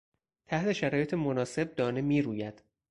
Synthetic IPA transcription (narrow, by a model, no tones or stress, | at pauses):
t̪ʰæht̪ʰe̞ʃæɾɒːje̞t̪ʰemonɒːse̞b̚d̪ɒːnemiːɾuːjæd̪̥